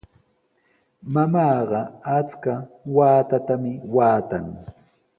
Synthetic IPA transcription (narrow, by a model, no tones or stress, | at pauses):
mamɑːɢɑat͡skawaːt̪at̪amɪwaːt̪aŋ